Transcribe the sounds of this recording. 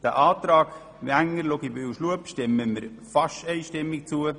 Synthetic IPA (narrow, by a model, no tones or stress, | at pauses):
d̥æʔɑːt̪ɾɑːk | ʋiæŋːəɾloɡibyːwʃluəpʃtɪmːəməɾ | fɑʃtɛɪʃtɪmːik̚t͡suə